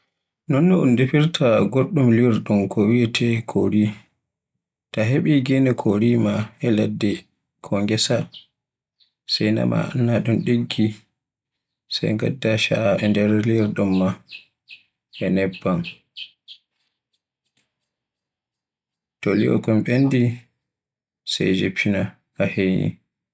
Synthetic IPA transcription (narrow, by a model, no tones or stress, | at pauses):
nɔnːɔundepiɾtʰaɡoɗːumliɾɗumkʰɔwiɛtʰɛkʰoɾi | taɦeɓiɡɛnɛkʰoɾimahɛladːɛ | kʰɔŋɡɛsa | sajna̰ma̰a̰nːaɗunɗeɡːi | sa̰jŋɡa̰dːaʃaɛndɛɾliɾɗɔmːa | ʔɛnɛbːan | tɔlḭɔ̰kɔmɓenːdi | sa̰jd͡ʒepʰːina | kahenḭ